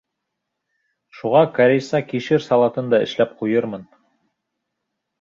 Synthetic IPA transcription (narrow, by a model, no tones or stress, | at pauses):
ʃuʁɑkɐɾʲejsɑkiʃɘɾsɑlˠɑt̪ɤnd̪ɑɘ̰̆ʃlæp̚qujɤɾmɤn